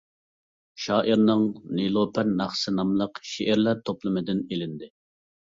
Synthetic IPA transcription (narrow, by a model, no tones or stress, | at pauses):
ʃɑːʔiɾnɨŋnilˠopʰæɾnɑχsɨnɑmlˠəqʃeʔɛɾlæɾt̪ʰoplˠɨmɨd̪ɪnelɪnd̪ɪ